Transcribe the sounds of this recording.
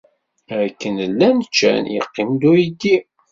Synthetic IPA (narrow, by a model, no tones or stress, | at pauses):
ɾkːənəlːænt͡ʃːæ̰njə̰qːimd̪ujid̪i